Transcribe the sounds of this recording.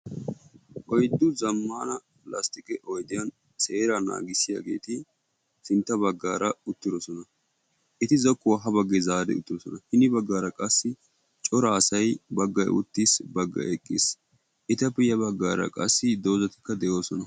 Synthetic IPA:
ʔɔjd̪ːʊzɐmːaːnɐ | plɐ̰st̪ɪkɛʔɔjd̪ɪjɐn | seːɾana̰ːɡɪsɪja̰ːɡe̞̰ːt̪ɪ | sɪnt̪ːɐbɐɡːaːɾɐʊt̪ːɪd̪ɔsɔnɐ | ʔɪt̪ɪzɔkːʊwaːɦɐbɐɡːɛzaːd̪ɛ̰ʊt̪ːɪd̪ɔsɔnɐhɪnɪbɐɡːaːɾɐkʼɐsːɪ | t͡ʃʼɔɾɐːsɐjbɐɡːɐjʔʊ̰t̪ːisbɐɡːɐ̰ʔɛkʼːɪ̰s | ʔɪt̪ɐpːɪjɐbɐɡːaːɾɐ̰kʼɐsːɪd̪o̞ːzɐt̪ɪ̥kːɐd̪ɛjo̞ːsɔnɐ

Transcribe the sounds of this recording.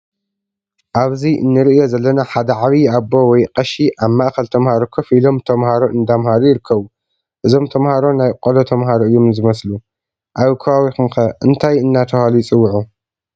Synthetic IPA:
ʔaβziʔɨ̰nːɨɾɨʔɨjo̞zɐlːɐnaħad̪ɐʕaβiabo̞wɔjqʼɐʃiʔaβmːaʔxɐlt̪ʰɐmhaɾokʰɐfilo̞mt̪ʰɐmhaɾo̞ʔɨnd̪amhaɾojɪɾɨkʰːɐβu | ʔɨzo̞mt̪ʰɐmhaɾo̞najqʼolot̪ʰɐmɦaɾoɨjːomzɨmɐslu | ʔaβkʰɐβawixɨmxɐʔɨnt̪ʰajɨnːat̪ʰɐhalujɪt͡sʼɨwːʕu

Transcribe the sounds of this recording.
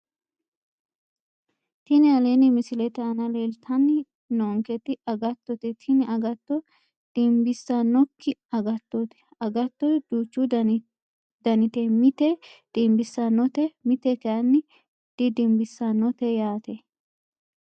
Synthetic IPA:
t̪ɪnɪɐlenɪmɪsɪlɛt̪ɛɐnɐleːlt̪ʰɐnːɪ | noːŋkɛt̪ːɪɐɡɐt̪ːɔt̪ɛt̪ʰɪnɪɐɡɐt̪ːɔ | d̪̥ɪmbɪsːɐnːɔkːɪɐɡɐt̪ːɔt̪ɛ̥ | ɐɡɐt̪ːɔd̪uːt͡ʃːud̪ | d̪ɐnɪt̪ɛmɪt̪ɛd̪̥ɪmbɪsːɐnɔt̪ɛmɪt̪ɛt̪ɛɐnːɪ | d̪̥ɪd̪ɪmbɪsːɐnɔt̪ɛjaːt̪ɛ

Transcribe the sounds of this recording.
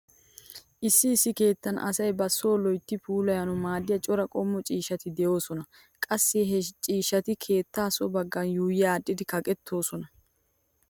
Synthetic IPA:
ʔɪsːɪːsːɪke̞ːt̪ːɐnʔɐ̰sɐjbɐsːo̞ːlɔjt̪ːɪpʰuːlɐjɐnɔmaːd̪ɪjɐt͡ʃʼɔɾɐkʼɔmːɔt͡ʃʼiːʃɐt̪ɪd̪ɛjo̞ːsɔnɐ | kʼɐsːɛɦɛt͡ʃʼiːʃɐt̪ɪkʰe̞ːt̪ːaːsɔbɐɡːɐnjuːjɪjaːɗːɪd̪ɪkɐkʼɛt̪ʰːo̞ːsɔnɐ

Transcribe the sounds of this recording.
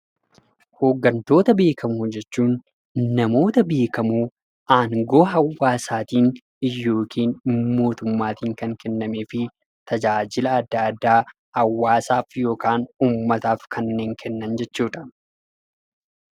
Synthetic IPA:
hoːɡːɐnt̪o̞ːt̪ɐbe̞ːkɐmud͡ʒɛt͡ʃːuːnː | ɐmo̞ːt̪ɐbe̞ːkɐmuː | ʔaːŋɡo̞ːɦɐwːaːsaːt̪iːn | ɪjːo̞ːkʰiːnmo̞ːt̪ʊmːaːt̪iːŋkɐŋkɛnːɐmeːfɪ | t̪ɐd͡ʒaːd͡ʒɪlɐːd̪ːɐɐd̪ːaː | hɐwːaːsaːfjo̞ːkaːnuːmːɐt̪aːfkʰɐnːe̞ːŋkʰɛnːɐnd͡ʒɛt͡ʃːuːᶑɐ̥

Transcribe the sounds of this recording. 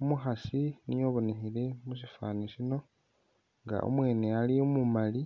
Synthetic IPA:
umuxasinijo̞ːβonehile̞musifaːneʃino̞ | ŋɡa̰o̰mwe̞ːne̞aliomumali

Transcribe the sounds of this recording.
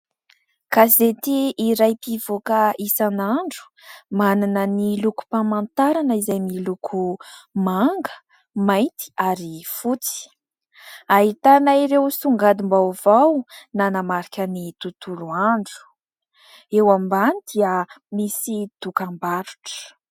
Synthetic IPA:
kazet̪iːɾajpivokəisanaɳɖ͡ʐu̥ | mananəniluku̥pamant̪aɾanəizajmilukʰumaŋɡə̥ | majnt̪i̥aɾifut͡si̥ | aɦit̪anaiɾewsuŋɡad̪imbawv̥awnanamaɾikʲənit̪ut̪uluaɳɖ͡ʐu̥ | ewambanid̪̥iəmisit̪ukambaɾu̥ʈ͡ʂə̥

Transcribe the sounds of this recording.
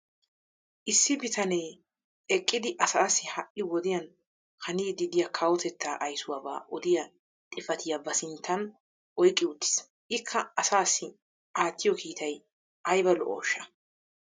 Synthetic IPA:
ʔɪsːɪbɪt̪ʰɐnej | ɛkʼːɪd̪ɪʔɐsaːsːɪhɐʔɪwɔd̪ɪjɐn | hɐniːd̪ɪd̪ɪjɐkʰɐwɔt̪ɛt̪ːaːʔɐjsʊwaːba̰ːʔɔd̪ɪjɐ | t̪ʼɪfɐt̪ʰɪjɐbɐsɪnt̪ːɐn | ʔɔjkʼːɪʊd̪ːɪ̥s | ʔɪkʰːɐɐsaːsːɪ | ʔaːt̪ːɪjɔkʰiːt̪ʰɐj | ʔɐjbɐlɔʔo̰ːʃːɐ

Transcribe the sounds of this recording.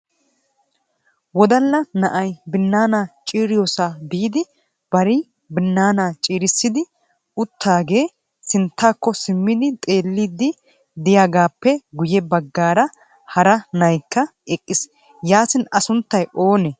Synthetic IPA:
wɔd̪ɐlːɐnɐʔɐjbɪnːaːnaːt͡ʃʼiːɾɪjoːsabiːd̪ɪ | b̥ɐɾɪ | bɪnːaːnaːt͡ʃʼiːɾɪsːɪd̪ɪ | ʊt̪ːaːɡe̞ː | sɪnt̪ːaːkːɔsɪmːɪd̪ɪt̪ʼe̞ːlːiːd̪ːɪ | d̪ɪjaːɡaːpːɛɡʊjɛbɐɡːaːɾɐ | hɐɾɐnɐjkːɐʔɛkʼːɪs | jaːsɪnɐsʊnt̪ːɐjʔo̞ːne

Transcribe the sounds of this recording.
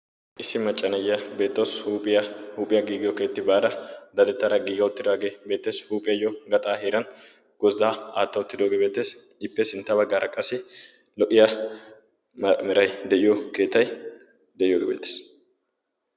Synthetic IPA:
ʔɪsːɪmɐt͡ʃʼːɐnɐjɐbe̞ːt̪ːoːsʼɪhuːpʼːɪjɐɡiːɡɪjɔke̞ːt̪ːɪbaːd̪ɐd̪ɐd̪ɛt̪ːɐɾɐɡiːɡɐʊt̪ːɪd̪aːɡebeːt̪ːe̞ːshuːpʼɪjɐjɔɡɐt̪ʼaːɦeːɾɐn | ɡ̥ɔsd̪aːaːt̪ːɐʊt̪ːɪd̪oːɡeːbeːt̪ːeːsɪpːɛsɪnt̪ːɐbɐɡːaːɾʔɐkʼɐsɪ | lɔʔɪjɐ | mɪɾɐjd̪ɛʔɪjɔke̞ːt̪ːɐj | d̪ɛʔɪjoɡɛbḛːt̪ːe̥ːs

